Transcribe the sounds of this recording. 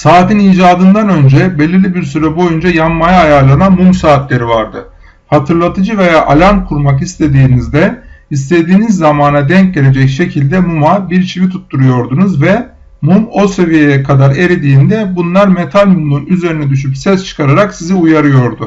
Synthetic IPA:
saːt̪ʰiniːd͡ʒaːd̪ɯnd̪anø̞nd͡ʒɛbe̞lʲiɾlʲibiɾsyɾɛbo̞jund͡ʒajammajaːjaːlˠananmumsaːt̪lʲe̞ɾivaɾd̪ɯ | hat̪ʰɯɾlˠat̪ʰɯd͡ʒɯve̞jaːʔalʲaɾmkʰuɾmakist̪ʰe̞d̪iːnizd̪ɛist̪e̞d̪iːnizːamaːnad̪ɛɲcɟe̞ɾʲe̞d͡ʒɛcʃe̞cʰilʲd̪ɛmumabiɾt͡ʃʰivit̪ʰut̪ːuɾujo̞ɾd̪unuzvɛ | mumo̞se̞vije̞jɛkʰad̪aɾe̞ɾed̪iːnd̪ɛbunlˠaɾmet̪ʰalʲmumlˠunyze̞ɾinɛd̪yʃ̬ypsɛst͡ʃʰɯ̥kʰaɾaɾaksiziujaɾɯjo̞ɾd̪u

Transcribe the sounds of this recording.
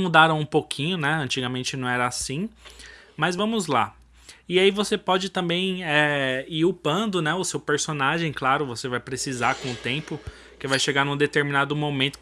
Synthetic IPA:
mud̪aɾɐ̃w̃ũpokʰĩɲʊnɛɐ̃nt͡ʃiɡamẽnt͡ʃɪnɐ̃w̃ɛɾɐasĩ | mɐzvɐ̃mʊzla | ɪaivosepɔd͡ʒɪt̪ɐ̃mbẽj̃ɛiɾʊpɐ̃nd̪ʊnɛʊsewpeɾsonaʒẽj̃klaɾʊvosevajpɾesizakõʊt̪ẽpʊ | kɪvajʃeɡanũd̪et̪eɾminad̪ʊmomẽnt̪ʊ̥

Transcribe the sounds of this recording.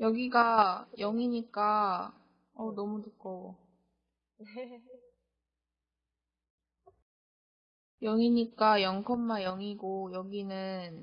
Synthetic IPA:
jʌɡiɡajʌŋiɲik͈a | ʌnʌmuduk͈ʌo | ne | jʌŋiɲik͈ajʌŋkʰʌmːajʌŋiɡojʌɡinɯn

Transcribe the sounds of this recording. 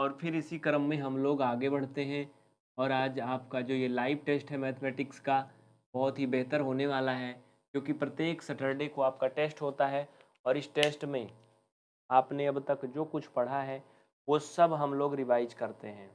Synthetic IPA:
ɔːɾfʰɪɾɪsikɐɾəmːẽɦɐmloːɡaːɡebɐɽ̤t̪eɦɛ̃ | ɔːɾaːd͡ʒaːpkad͡ʒoːjelaːɪʋʈeːsʈɦɛmɛːt̪ʰmɛːʈɪkska | bɔɦʊt̪ɦibɛɦt̪əɾɦoːneʋaːlaɦɛː | kjõːkipɾɐt̪jeːksɐʈəɾɖekoaːp̚kaʈeːsʈɦoːt̪aɦɛ | ɔːɾɪsʈeːsʈmẽ | aːpneɐbt̪ɐkd͡ʒoːkʊt͡ʃʰpɐɽ̤aɦɛ | ʋosɐbɦɐmloːɡɾɪʋaːɪd͡ʒkɐɾt̪eɦɛ̃ː

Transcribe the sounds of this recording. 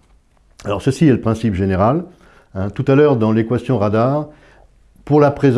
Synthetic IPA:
alɔʁsəsiɛləpχɛ̃sipʒeneʁal | ɛ̃t̪ut̪alœːʁd̪ɑ̃lekwasjɔ̃ʁad̪aːʁ | puʁlapχez

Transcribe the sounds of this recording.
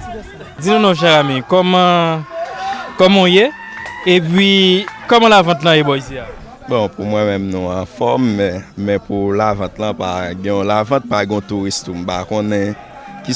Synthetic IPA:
d͡zinũnõʃ̬ɛɣamikɔmã | kɔmõje | epɥikɔmãlavãt̪̬lãjebɔis̬jea | bɔ̃pumwɛ̃mɛ̃mnũãfɔmːɛ̃mɛ̃pulavãt̪lãpa̰ɡɛ̃ɔ̃lavãt̪̚paɡɛ̃õt̪uɣist̪um̩bakõnɛ̃ | ki

